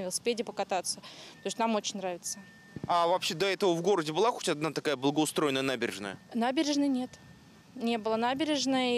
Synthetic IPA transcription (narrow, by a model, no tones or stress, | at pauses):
vɪlˠəsʲɪ̥pʲedʲɪpəkɐt̪at̪sːət̪o̞ɪsʲt̪ʲnamo̞t͡ɕɪnʲnɾavʲɪt̪sə | avɐpɕed̪ɐɛt̪əvəvɡo̞ɾədʲɪbɨlˠaxo̞̥tʲad̪nat̪ɐkajəblˠəɡəʊst̪ɾo̞ɪnːəjənabʲɪɾʲɪ̰ʐnə̰jənabʲɪɾʲɪʐnɨjnʲet̪ | nʲe̞bɨlˠənabʲɪɾʲɪʐnəj